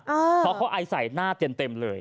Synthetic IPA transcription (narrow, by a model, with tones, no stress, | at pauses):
ʔəː˧ɔː˨˦˥kʰa˦˥wʔa˧jsa˨˩˦jnaː˥˩t̪i˧əmt̪e˧mlɤː˧j